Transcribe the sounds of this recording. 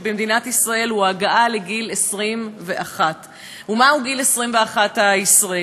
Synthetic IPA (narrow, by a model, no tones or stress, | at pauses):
bemd̪inat̪isʁae̞lhuaɡaʔale̞ɡilesʁimve̞ʔaχat | umahuɡilesʁimve̞aχat̪aisʁae